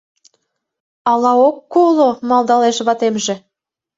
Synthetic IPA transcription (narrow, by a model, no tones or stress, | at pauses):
ɑlɑokːolomɑlˠd̪ɑleʃβɑt̪emʒĕ